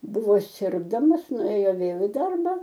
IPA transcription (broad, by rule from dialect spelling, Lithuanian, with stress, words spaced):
ˈbʊʋoː ˈsʲɪrɡdɐmɐs nʊˈeːjoː ˈʋʲeːlˠ ɪ ˈdɐrbɐ